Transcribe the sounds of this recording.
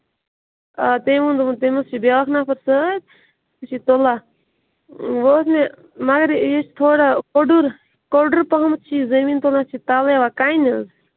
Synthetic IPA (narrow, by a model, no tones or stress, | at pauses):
at̪emũnd̪t̪emɐst͡ʃʰibeakʰnaːpʰɐɾsət̪̚ | t͡ʃʰit̪ola | ʋos̬ne | mɐɡɐɾjet͡ʃʰt̪ʰoːɽakoɖuɾ | koɾɖəɾpɐɦɐmt͡ʃʰizɐmiːnt̪olat͡ʃʰit̪aːleʋakaːinɐz